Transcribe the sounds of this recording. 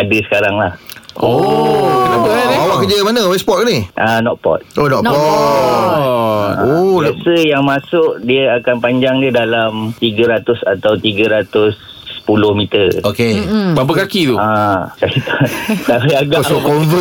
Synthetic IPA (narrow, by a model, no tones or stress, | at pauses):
adəsə̥kaɾaŋlahoknanawaʔkəd͡ʒəmanəwɛspɔt̚niʔanɔʔ̚pɔ̰t̪̚ʔonɔʔɔ | onɔsəjaŋmasʊʔdiəakanpaɲd͡ʒaŋdiədalamt̪iɡəɾat̪ʊsat̪awt̪iɡəɾat̪ʊs | ə̥pulʊhmit̪ərokebapakakit̪uasait̪aalaaɡasokɔnvə